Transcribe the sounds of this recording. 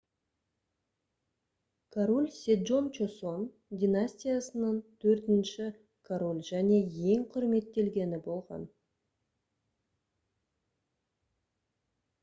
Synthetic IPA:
kʰaɾolʲsʲed̪ʒo̞nt͡ʃoso̞n | d̪ʲinasʲt̪ʲijasənəɴt̪ʰɵɾt̪ɪnʃɪ | kʰaɾolʲʒæne̞je̞ŋqʰʊɾme̞t̪ːe̞lɡʲe̞nɪbo̞lˠʁɑ̰n

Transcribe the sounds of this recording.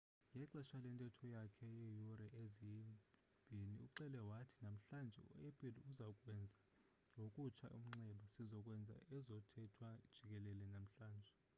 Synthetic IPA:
jɛǁaʃalɛntʼɛtʰɔjakʰɛjejurɛʔeziji | mb̥ʱiniṵǃɛlɛwatʰi̥nam̩ɬand͡ʒʱɛ̰ṵepʼiluzakʼwɛnd͡zʱa | jokʼut͡ʃʰa̰ʔṵm̩ŋ͡ǀɛɓasizɔkʼwɛnd͡zʱa̰ɛzɔtʰɛtʰwad̥ʒ̥ʱik̬ʼɛlɛlɛnam̩ɬaːnd͡ʒʱɛ

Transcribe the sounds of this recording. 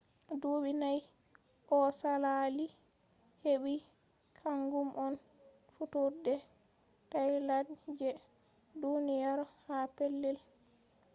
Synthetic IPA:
duɓinaj | ʔɔsalali | heɓi | kʰaŋɡumʔɔn | futudɛ | tajlad͡ʒɛ | dunijaɾhapelːil

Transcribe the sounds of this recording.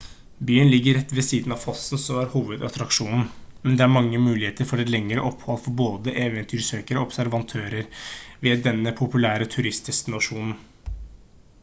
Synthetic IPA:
byːənlɪɡːəɾɛt̪ːʋɛsiːd̪n̩ɑʋfɔsn̩sɔmæɾhuːʋəd̪ɑt̪ɾɑkʂuːnn̩mɛnd̪ɛæɾmɑŋːəmʉːlɪheːt̪əɾfɔɖɛt̪lɛŋːɾəʔɔphɔlfɔɾboːd̪əʔeːʋənt̪ʰyːɾsøːkəɾəɔbsæɾʋɑnt̪ʰøːɾəɾʋɪːd̪ɛnːəpʰʊpʉlæːɾət̪ʰʉɾɪst̪ɪskənʊʂuːnn̩

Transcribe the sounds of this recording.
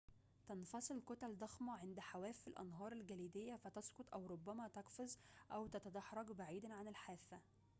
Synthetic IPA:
t̪ɑnfɑsˤɨlkot̪æld̪ɑxmɑʕend̪ħawæːfːilʔɑ̰nɦɑːɾˤelɡæliːd̪ejːæfæt̪ɑskot̪ˤʔæwɾobːæmæt̪ɑqfozʔæwt̪æt̪æd̪ɑħɾˤɑɡbaʕiːd̪æʕanɪlħaːfːæ

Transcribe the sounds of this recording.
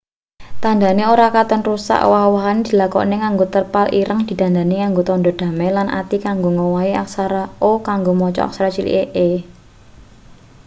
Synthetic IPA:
t̪and̪a̤neoɾakat̪ənrusa̰ʔwawəɦand̪̥i̤lakɔ̰neŋaŋɡot̪ərpalʔiɾʔəŋd̪̥i̤t̪and̪a̤neŋaŋɡot̪ɔnd̪ɔd̪̥ä̤mɛlanʔa̰t̪ikaŋɡoŋowaia̰ksaɾaokaŋɡomɔt͡ʃɔ̰a̰k̚saɾat͡ʃilḭʔeʔe

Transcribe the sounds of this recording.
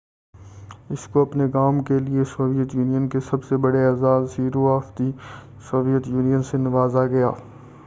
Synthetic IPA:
ɪskoɐpneɡaːmkeliesoːʋijət̪juːnijənkesɐbsebɐɽeaːzaːd̪siːɾoaːft̪i | soːʋijət̪juːnijənsenɐʋaːzaɡɐja̰ː

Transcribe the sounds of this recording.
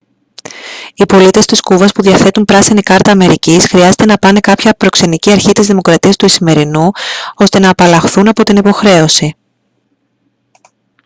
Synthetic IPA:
ipo̞lit̪e̞st̪iskuvɐspuðiɐθe̞t̪umpɾɐsinikɐɾt̪ɐːme̞ɾicisxɾiɐze̞t̪e̞nɐpɐne̞kɐpçɐpɾokse̞niciɐɾçit̪izðimo̞kɾɐt̪iɐst̪uisime̞ɾinuo̞st̪e̞nɐːpɐlɐxθunɐpo̞t̪inipo̞xɾe̞o̞si

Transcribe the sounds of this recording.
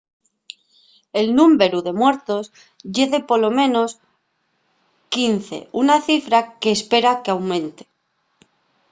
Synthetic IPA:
e̞lnũmbe̞ɾuðe̞mwe̞ɾt̪o̞s | ʝeðe̞po̞lo̞mẽ̞no̞s | kinθe̞̰unaθifɾake̞ːspe̞ɾakeawmẽ̞nt̪e̥

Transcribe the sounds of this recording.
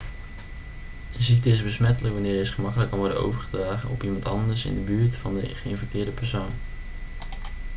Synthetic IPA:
əzik̚təɪsbəsmɛtələkʋɑnɪːɹdɪsχəmɑkələkːɑnʋɔɹdə̰no̰wvəɹχədraːχənɔpimɑntɑ̰ndəɹsɪ̰ndəbyːɹtfɑndəχəɪnfɛk̚tɪːɹdəpɛɹsown

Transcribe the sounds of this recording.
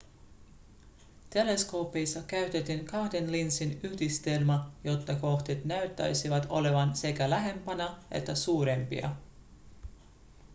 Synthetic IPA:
t̪e̞le̞sko̞ːpejsːɑkæɥt̪et̪iŋkɑhde̞nlinsinyhdist̪e̞lmɑjo̞t̪ːɑko̞ht̪it̪næɥt̪ːæ̰jsiʋɑt̪o̞le̞ʋɑnse̞kælæɦe̞mpænɑʔe̞̰t̪ːæsuːɾe̞mpḭɑ̰

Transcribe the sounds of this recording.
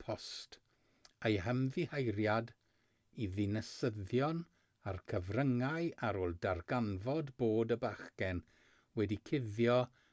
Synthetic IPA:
pʰɔst | ejɦəmðihajɾjad | iðɪnəsəðjɔn | arkʰəvrəŋaɨaɾoːlˠdarɡanvɔdboːdəbaχɡɛn | wɛdikʰɪðjɔ

